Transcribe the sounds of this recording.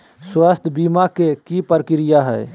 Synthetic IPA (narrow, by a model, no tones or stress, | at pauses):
swast̪ʰbimakekipəɾkɪɾɪjaɦɛ̰ː